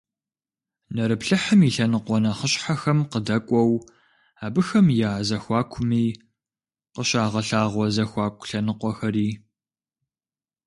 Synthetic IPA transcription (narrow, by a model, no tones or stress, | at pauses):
nɐɾɨpɬɨħəmiɬɐnɨqʷɔnaχəɕʼħaxɐmqədɐkʷʼɔw | aːbɨxɐmjaːzɐxʷɑːkʷʰʊmiː | qəɕaːʁɐɬaːʁʷɔzɐxʷɑːkʷʰʼɬɐnɨqʷɔxɐɾiː